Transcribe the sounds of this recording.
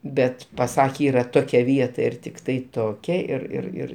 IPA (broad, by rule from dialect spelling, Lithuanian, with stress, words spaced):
ˈbʲɛt pɐˈsɑːkʲeː ˈiːrɐ ˈtoːkʲɛ ˈʋʲiɛtɐ ɪr ˈtʲɪktɐɪ ˈtoːkʲɛ ɪr ɪr ˈɪr